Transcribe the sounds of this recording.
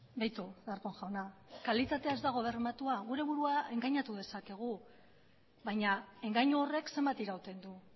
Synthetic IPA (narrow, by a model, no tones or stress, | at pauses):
bajt̪uðaɾkoŋʝawnakalit̪at̪eaezd̪aɣ̞o̞β̞e̞ɾmat̪uaɣuɾe̞βuɾuae̞ŋɡaɲat̪uð̞e̞sake̞ɣ̞u | βaɲae̞ŋɡaɲuo̞re̞kse̞mbat̪iɾawt̪e̞nd̪u